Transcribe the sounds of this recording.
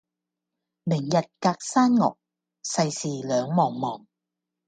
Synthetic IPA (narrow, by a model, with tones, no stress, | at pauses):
mɪ˨˩ŋjɐ˨t̚kaː˧k̚saː˥nŋɔ̰ː˨k̚ | sɐ˧jsiː˨lœː˨˧ŋmɔː˨˩ŋmɔː˨˩ŋ